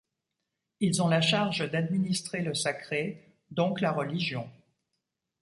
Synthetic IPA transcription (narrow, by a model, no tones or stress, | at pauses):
ilzɔ̃laʃaʁʒd̪ad̪minist̪χeləsakχe | d̪ɔ̃klaʁəliʒjɔ̃